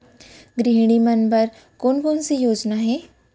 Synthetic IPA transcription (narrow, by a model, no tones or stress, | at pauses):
ɡɾiɦɽ̃imənbəɾ | koːnkoːnsijoːd͡ʒnaɦɛː